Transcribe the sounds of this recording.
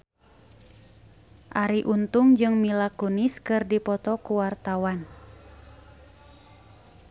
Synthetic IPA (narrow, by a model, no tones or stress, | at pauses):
ʔaɾiʔunt̪ʊŋd͡ʒɨŋmilakuniskɨrdipɔt̪ɔkuwart̪awan